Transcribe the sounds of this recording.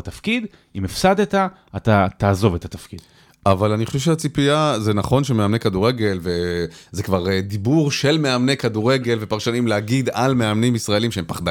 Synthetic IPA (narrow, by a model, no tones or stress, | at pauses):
t̪afkid̪ | imefsad̪et̪a | at̪at̪aːzo̞vet̪at̪afkid̥̪ | ʔavalaniχoʃevʃeat͡sipiazenaχo̞nʃemeamne̞kad̪uʁeɡe̞lvezekvaʁd̪ibuʁʃe̞lmeamnekad̪uʁe̞ɡe̞lve̞paʁʃanimlehaɡid̪almeamnimisʁaelimʃeempaχda